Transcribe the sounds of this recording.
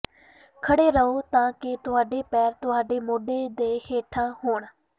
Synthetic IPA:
kʰəɽeːɾəoːt̪ãːkɪt̪ʊɦaːɖeːpɛːɾt̪ʊɦaːɖeːmoːɖeːd̪eːheːʈʰãːɦoːɳ

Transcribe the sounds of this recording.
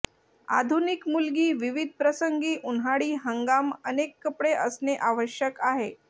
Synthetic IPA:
a̰d̪ʱunikmulɡiːʋiʋid̪̚ʱpɾəsəŋɡiːʔunɦaɽiːɦəŋɡamənekːəpɽeʔəsneʔaʋəɕjəkaɦe

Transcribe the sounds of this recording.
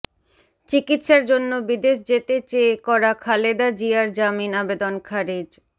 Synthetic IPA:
t͡ɕikit̪ʃaɾd͡ʑonːobid̪eʃd͡ʑet̪et͡ɕekɔɾakʰaled̪ad͡ʑiaɾd͡ʑaminabed̪onkʰaɾid͡ʑ

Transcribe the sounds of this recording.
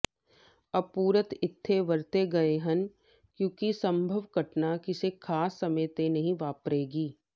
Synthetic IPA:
ɐb̚puːɾət̪ɪt̪ʰːeʋɐɾt̪eɡɐeɦɐ̃n | kjõːkisɐ̃mbʱəʋɡʱɐʈnakɪsekʰaːsːɐməjt̪enɐɦĩʋaːpɾeːɡiː

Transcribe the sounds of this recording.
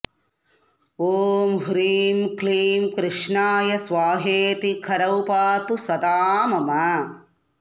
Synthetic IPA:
oːmɦuɾiːmkliːmkɾɪʂɳaːjɐsʋaːɦeːt̪ikʰɐɾɐwpaːt̪usɐd̪aːmɐmɐ

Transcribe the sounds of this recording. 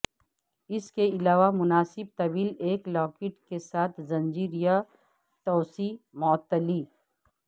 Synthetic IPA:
ɪskeɪlaːʋamʊnaːsɪb̚t̪ɐbiːleːklɔːkɪʈkesaːt̪ʰzɐ̃nd͡ʒiːɾija | t̪ɔːsi | mɔːt̪ːəliː

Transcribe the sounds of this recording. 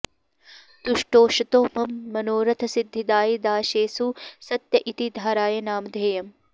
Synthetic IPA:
t̪uʂʈoːʃɐt̪oːmɐmːɐnoːɾɐt̪ʰɐsid̪ʱːid̪aːjid̪aːʃeːsusɐt̪jɐʔit̪id̪ʱaːɾaːjɐnaːmd̪ʱeːjɐm

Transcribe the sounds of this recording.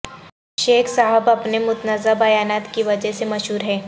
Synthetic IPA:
ʃeːkʰsaɦəbɐpnemʊt̪nəzəbɐjaːnaːt̪kiʋɐd͡ʒɛɦsemɐʃɦuːɾɦɛː

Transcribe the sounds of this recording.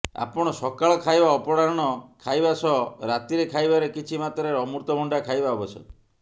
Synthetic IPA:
a̰pɔɽ̃ɔsɔkaɭɔkʰajbaɔpɔɽaɾɔɽ̃ɔkʰajbasɔɾat̪iɾekʰajbaɾekit͡ʃʰimat̪ɔɾeɾɔmuɾt̪ɔbʱɔɳɖakʰajbaɔbɔsʰɔ̰

